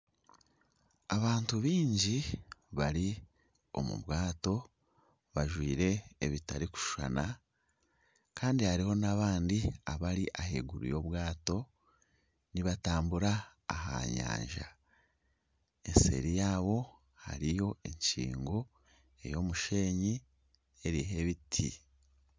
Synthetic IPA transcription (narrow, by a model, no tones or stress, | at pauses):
aβaːntuβiːɲɟiβaɾi | o̞̰mṵβwaːto̞ | βaʒwiːɾe̞ːβitaɾiku̥ʃu̥a̰na | kaːndihaɾiho̞naβaːndiaβaɾiʔahḛɡuɾṵjo̞βwaːto̞ | niβataːmbuɾaːɦa̰ɲa̰ːɲʒa̰ | e̞nse̞̰ɾijaːβo̞ | ha̰ɾijo̞ʔe̞ɲt͡ʃḭːŋɡo̞ | e̞̰jo̞muʃe̞ːɲi | e̞ɾiɦe̞βitʰi